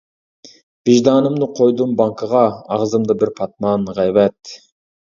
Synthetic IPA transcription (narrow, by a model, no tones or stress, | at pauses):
b̥iʒd̪ɑːnɯmd̪uqʰojd̪umbɑŋkɯʁɑːʁzɯmd̪ɯbiɾpʰɑt̪̚mɑnʁɑjβæt̪